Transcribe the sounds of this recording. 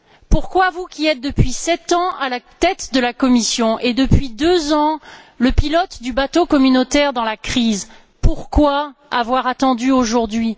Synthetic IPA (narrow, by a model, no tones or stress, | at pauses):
puʁkwavukʲiɛt̪̚d̪əpɥisɛt̪ɑ̃alat̪ɛt̪d̪əlakɔmisjɔ̃ʔed̪əpɥid̪øzɑ̃ | ləpilɔt̪d̪ybat̪okɔmynot̪ɛʁd̪ɑ̃lakχiz | puʁkwaavwaʁat̪ɑ̃d̪yoʒuʁd̪ɥi